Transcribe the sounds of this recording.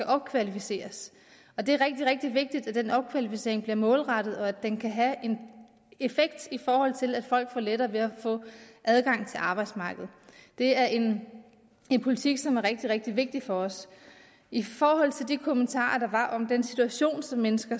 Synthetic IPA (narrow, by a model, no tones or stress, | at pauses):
æʔɒ̽b̥̚kʰʋælifise̝̰ːɐs | ɒ̽d̥e̝æɐʁeɡ̥̚d̥iʁeɡ̥̚d̥iʋe̝ɡ̥̚d̥id̥æd̥enɒ̽b̥̚kʰʋælifise̝̰ɐeŋb̥liɐmɔ̽ːlʁɑɾ̥ð̞̩ˠɒ̽ædd̥enkʰæɦæe̝n | e̝feɡ̥̚d̥ifɒːhɒ̽l̰t͡sʰe̝læd̥fɒ̽l̰ɡ̥fɒ̰ːleɾɐːʋe̝æfɔ̰̽ːʔæð̞ˠɡ̥ɑ̈ŋ̰t͡sʰe̝lʔɑ̈ːb̥ɑ̈ɪd̥smɑ̈ːɡ̥əð̞̩ˠd̥e̝æɐʔe̝n | e̝npʰo̝lit͡sʰiɡ̥sɒ̽mæɐʁeɡ̥̚d̥iʁeɡ̥̚d̥iʋe̝ɡ̥̚d̥ifɒ̽ɒ̽s | ʔifɒːhɒ̽l̰t͡sʰe̝ld̥ikʰo̝mənt͡sʰɑ̰̈ːɐd̥ɑ̈ʋɑ̈ʔɒ̽md̥ensit͡sʰuæɕo̝̰ːnsɒ̽mːenəsɡ̥ɐ